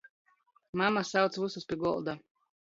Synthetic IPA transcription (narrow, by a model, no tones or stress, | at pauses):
mamasawt̪svususpʲiɡɔ̰lˠd̪a